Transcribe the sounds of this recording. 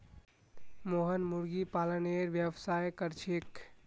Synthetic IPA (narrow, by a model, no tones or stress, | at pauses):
moɦənmuɾɡipaləneɾʋjəʋsajkəɾt͡ʃʰek